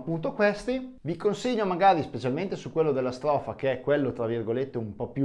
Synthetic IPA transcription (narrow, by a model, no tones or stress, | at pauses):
pːunt̪̬okwest̪ivikonseɲːomaɡaːɾispet͡ʃalment̪esukwelːod̪elːast̪ɾɔːfakeɛkwelːot̪ɾavirɡolet̪ːeumpɔpju